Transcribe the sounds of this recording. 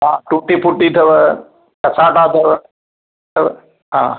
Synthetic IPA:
ɦaːʈuːʈipʰuʈːit̪ʰɐʋə | kɐsaːʈaːt̪ʰɐʋə | t̪ʰɐʋ | ɦãː

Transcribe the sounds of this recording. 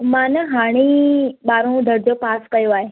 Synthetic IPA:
manəɦaɽ̃iɓaːɾõd̪ʱəɾd͡ʑopaːskəjoaːɦe

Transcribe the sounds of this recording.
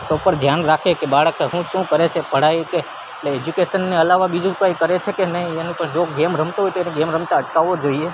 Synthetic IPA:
t̪opəɾd̪ʱjanɾakʰekebaɭəkɦũʃũkəɾet͡ʃʰepəɽ̤ajke | ʈleed͡ʒukeʃənːeəlaʋabid͡ʒũɾupajukəɾet͡ʃʰekenəɦĩenũpəɳd͡ʒoɡemɾəmt̪oɦojt̪enẽɡemɾəmt̪aəʈkaʋːod͡ʒoie

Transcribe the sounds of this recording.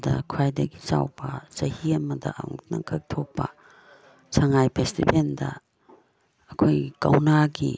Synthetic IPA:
dɐkʰajdɐɡi̥sawbɐsɐhiɐmɐdɐʔaŋnɐŋkʰɐk̚tʰok̚pɐ | sʰaŋajpʰestibendɐ | ɐkʰojkawnaɡi

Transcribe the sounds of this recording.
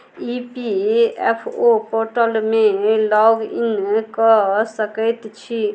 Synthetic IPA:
ipiḛpʰopoɾʈəlmelɔɡḭnkəsəkəjt̪t͡ʃʰi

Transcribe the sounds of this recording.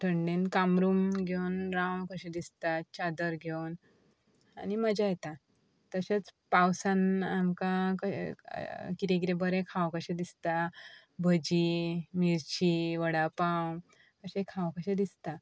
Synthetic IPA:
ʈʰəɳɖẽnkamɾumɡʱewnɾãwkəɕẽd̪ist̪at͡ɕad̪əɾɡʱewn | a̰niməd͡ʑajɛt̪a | t̪əɕat͡spawsãnamkakə | kiɾeɡiɾebəɾẽkʰãwkəɕẽd̪ist̪a | bʱəd͡ʑimiɾt͡ɕiʋəɽapãw | kəɕẽkʰãwkəɕẽd̪ist̪a

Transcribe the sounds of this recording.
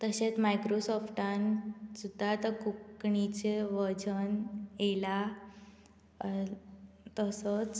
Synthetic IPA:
t̪əɕẽt͡smajkɾosɔfʈãnsud̪ʱːat̪əkukkɳit͡ɕeʋəd͡zənjela | t̪əsət͡s

